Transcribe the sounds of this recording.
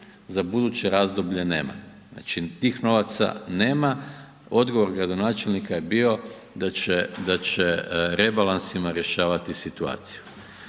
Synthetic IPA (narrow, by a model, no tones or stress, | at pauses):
zabud̪uːt͡ɕe̞ɾaːzd̪obʎe̞nḛːma̰ | a̰t͡ʃit̪iːxno̞ʋat̪sa̰neːma | o̞d̪ɡoʋo̞ɾɡɾad̪o̞naːt͡ʃe̞lnikaje̞biːo̞ | d̪at͡ʃed̪at͡ɕeɾe̞balˠansimaɾje̞ʃaːʋat̪isit̪ua̰ːt̪si̥ju